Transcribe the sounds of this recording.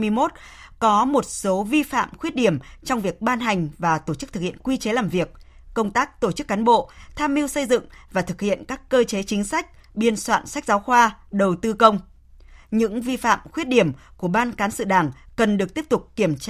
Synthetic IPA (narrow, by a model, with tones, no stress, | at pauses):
m˧əjmo˦˥t̚kɔ˨˦mo˨˩t̚so˨˦vi˧fa̰ː˧˨mxwi˦˥ət̚ɗi˧˩əmt͡ɕɔ˧wŋ͡mvi˨˩ək̚ɓaː˧nɦa˨˩jŋ̟vaː˨˩t̪o˧˩t͡ɕɨ˦˥k̚t̪ʰɨ˨˩khḭ˧˨ənkwi˧t͡ɕe˨˦laː˨˩mvi˨˩ək̚kə˧wŋ͡mt̪aː˦˥k̚t̪o˧˩t͡ɕɨ˦˥kːaː˨˦nɓo̰˧˨t̪ʰaː˧mhi˧əwsə˧jzɨ̰˧˨ŋvaː˨˩t̪ʰɨ˨˩k̚hḭ˧˨ənkaː˦˥kːəː˧t͡ɕe˨˦t͡ɕï˨˦ŋ̟sa˦˥jk̟̚ | ɓi˧ənswa̰ː˧˨nsa˦˥k̟̚zaː˨˦wxwaː˧ɗə˨˩wt̪ɨ˧kə˧wŋ͡m | ɲɨ̰˧˥ŋvi˧fa̰ː˧˨mxwi˦˥ət̚ɗi˧˩əmku˧˩əɓaː˧nkaː˨˦nsɨ̰˧˨ɗaː˧˩ŋkə˨˩nɗɨ˨˩ək̚t̪i˦˥əp̚t̪ʊ˨˩k͡p̚kːi˧˩əmt͡ɕː